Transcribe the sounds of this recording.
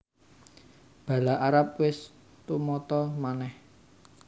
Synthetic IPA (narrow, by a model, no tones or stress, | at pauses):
b̥a̤laʔaɾap̚wɪs | t̪umɔt̪ɔmanɛh